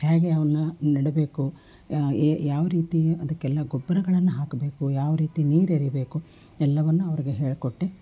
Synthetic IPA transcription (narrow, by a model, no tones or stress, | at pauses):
haːɡeɐʋɐnːunɐɽebe̞ːku | jaːʋɐɾiːt̪ijɐd̪ɐkːɛlːɐɡubːɐɾɐɡɐɭɐnːuɦaːkɐbe̞ːkujaːʋɐɾiːt̪iniːɾeɾibe̞ːku | ɛlːɐʋɐnːuɐʋɐɾiɡeɦe̞ːɭkoʈːe